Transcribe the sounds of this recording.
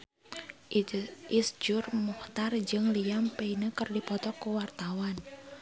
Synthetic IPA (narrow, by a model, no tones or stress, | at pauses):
ʔisd͡ʒʊrmuht̪ard͡ʒɨŋlijampeinəkɨrdipɔt̪ɔkuwart̪awan